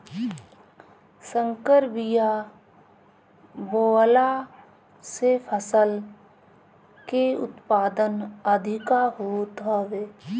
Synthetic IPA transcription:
sə̃ŋkəɾbija | boːla | sepʰəsəl | keʊ̰t̪paːd̪ənəd̪ʱɪkaɦot̪ɦɔʋeː

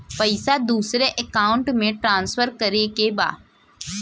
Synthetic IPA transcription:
pəɪsad̪uːsɾeʔekaːʊ̃ɳʈmẽʈɾãːnspʰəɾkəɾekeba̰ː

